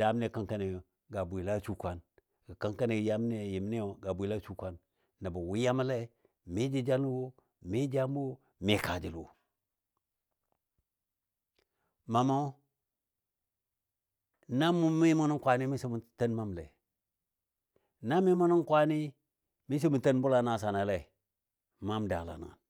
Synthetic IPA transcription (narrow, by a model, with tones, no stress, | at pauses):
d̥a˦m˦e˦˨ka˦ŋka˦ne˨ | ɡa˨bʷi˨la˦t͡ʃu˦kʷa˦n | ɡa˨ka˦ŋka˦ne˨ja˦m˦ne˦˨ji˨m˦ni˦o˨ɡa˨bʷi˨la˦t͡ʃu˦kʷa˦nː | a˨ba˨wi˦ja˦m˦le˦ | mi˦d͡ʒi˦d͡ʒa˦n˦wo˦ | mi˦d͡ʒa˦m˦wo˦ | mi˨˦ka˨d͡ʒi˨lwo̰˨ | ma˨ma˦ | na˦mu˦mi˦mo˦nu˦ŋkʷa˨ni˦mi˦si˦m˨tə˦nma˦mlḛ˨ | na˦mi˦mo˦ni˦kʷa˦ni˦ | mi˦s̬i˦mu˨ntə˦nbu˦la˨na˨sa˨na˨le˨ | ma˦mda˨la̰˨na̰˨n